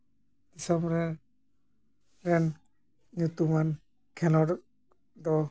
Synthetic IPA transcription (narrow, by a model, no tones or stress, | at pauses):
d̪̥isɔmɾɛ | ɾɛn | ɲut̪uman | kʰɛlɔɾ | d̪ɔ